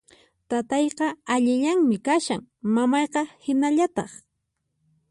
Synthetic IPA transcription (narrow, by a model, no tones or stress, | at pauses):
t̪at̪ɑjqɑaʎɪʎaŋmɪkaʃaŋmamɑjqɑhɪnaʎat̪ɑχ